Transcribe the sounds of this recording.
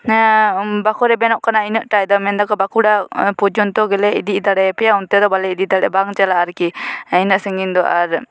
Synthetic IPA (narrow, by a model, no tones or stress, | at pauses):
bakɔɾɛbɛnɔʔkanainəʔʈajd̪ɔmɛnd̪akɔbakuɽapud͡ʒɔnt̪ɔɡɛlɛḭd̪iʔd̪aɽɛpɛjaunt̪ɛd̪ɔbalɛid̪iʔd̪aɽɛ̰baŋt͡ʃalaːɾkiinəʔsəŋɡind̪ɔʔaɾ